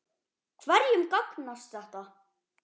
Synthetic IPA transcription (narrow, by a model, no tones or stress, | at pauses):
kʰvɛɾjʏmkaknast̪θɛht̪a